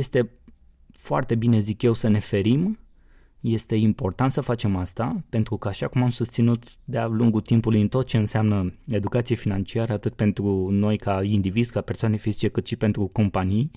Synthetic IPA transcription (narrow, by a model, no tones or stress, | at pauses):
je̞st̪e̞ | foa̰rt̪e̞binezikje̞wsəne̞fe̞ɾim | je̞st̪e̞impo̞rt̪ant̪səfat͡ʃe̞mast̪ape̞nt̪ɾukəaʃakumamsust̪sinut̪d̪ealuŋɡut̪impulujɨnt̪o̞t̪̚t͡ʃe̞ɨnseamnəe̞d̪ukat̪sijefinant͡ʃiaɾəat̪ɨt̪̚pe̞nt̪ɾuno̞jkaind̪ivizkape̞rsoane̞fizit͡ʃe̞kɨt̪ʃipe̞nt̪ɾuko̞mpanij